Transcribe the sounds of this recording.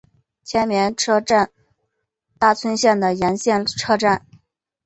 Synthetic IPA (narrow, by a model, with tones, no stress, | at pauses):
t͡ɕʰjɛ˧˥nmjɛ˧˥nʈ͡ʂʰɤ˥ʈ͡ʂa˥˧n | t̪a˥˩t͡sʰwə˥nɕjɛ˥˩nd̪ə˩jɛ˧˥nɕjɛ˥˧nʈ͡ʂʰɤ˥ʈ͡ʂa˥˩n